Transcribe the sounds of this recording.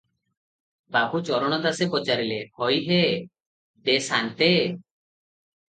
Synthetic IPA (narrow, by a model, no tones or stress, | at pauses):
babʱut͡ʃɔɾɔɽ̃ɔd̪asepɔt͡ʃaɾilehɔjɦe | d̪esant̪e